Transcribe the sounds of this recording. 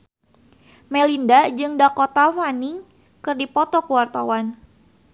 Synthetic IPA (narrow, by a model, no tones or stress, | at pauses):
mɛlindad͡ʒɨŋdakot̪afaniŋ | kɨrdipɔt̪ɔkuwart̪awan